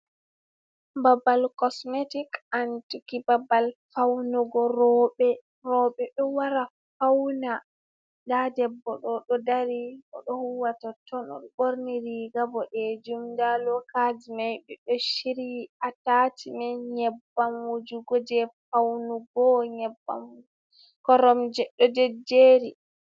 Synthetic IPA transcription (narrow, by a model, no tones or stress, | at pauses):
babalkɔsmetikantukibabalfawnuɡɔɾɔɓɛ | ɾɔɓɛɗɔwaɾa | fawna | ndadɛbːɔɗɔɗɔdaɾiʔɔ̰ɗɔhuwatatʰɔnɔ̰ɗɔboɾniɾiɡabɔɗɛd͡ʒumdalɔkad͡ʒimajbɛɗɔʃiɾiatatʰimɛɲɛbːamwud͡ʒuɡɔd͡ʒɛfawnuɡɔɲɛbːa̰m | kɔɾɔmd͡ʒɛɗɔdɛd͡ʒeːɾi